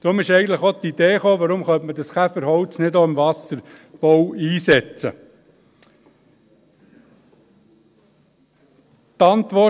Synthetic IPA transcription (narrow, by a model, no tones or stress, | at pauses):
d̪̥ɾʊmɪʃɛɪɡən̩tləχot̪id̥̪eːχoːʋəɾʊmχœntmədɑsχæfəɾɦɔʊt͡snɪdoːɪmʋɑsəɾb̥ɔwiːsɛt͡sə̰ | t̪ɑnt̪ʋɔ